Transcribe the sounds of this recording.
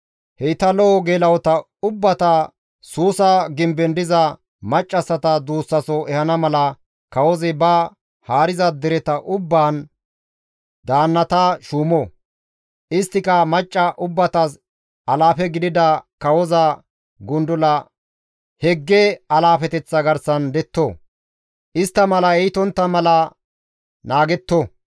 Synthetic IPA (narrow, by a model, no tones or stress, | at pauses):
hɛjɪt̪ɐlɔʔɔɡeːlɐwɔt̪ɐ | ʊbːɐt̪ɐ | suːsɐɡɪmbɛnd̪ɪzɐ | mɐt͡ʃʼːɐsːɐt̪ɐd̪uːsːɐsɔʔɛhɐnɐmɐlɐ | kɐwɔzɛbɐ | haːɾɪzɐd̪ɛɾɛt̪ɐʔʊbːaːn | d̪aːnːɐt̪ɐʃuːmɔ | ʔɪst̪ːɪkɐmɐt͡ʃʼːɐʔʊbːɐt̪ɐs | ɐlaːfɛɡɪd̪ɪd̪ɐkɐwɔzɐ | ɡʊnd̪ʊlɐ | hɛɡːɛɐlaːfɛt̪ɛt͡sːɐɡɐɾsɐnd̪ɛt̪ːo | ʔɪst̪ːɐmɐlɐɛjɪt̪ɔnt̪ːɐmɐlɐ | naːɡɛt̪ːo